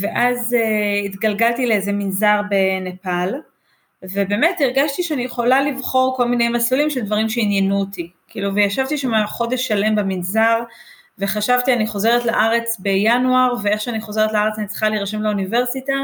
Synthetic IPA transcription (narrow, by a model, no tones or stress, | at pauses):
ve̞ʔazeitɡalɡaltileezeminzaʁbe̞nepal | ve̞be̞ːmetiʁɡaʃtiʃeanijeχo̞lalivχo̞ʁko̞lminejmaslulimʃe̞ld̪vaʁimʃeinjenuotikḭːluvejaʃavt̪iʃamaχo̞deʃːale̞mbaminzaʁ | ve̞χaʃavtianiχo̞ze̞ʁetlaʔaʁe̞t͡sbe̞januaʁveeχʃeaniχo̞ze̞ʁet̪laaʁet͡sanit͡si̥χaliʁʃemlaunive̞ʁsita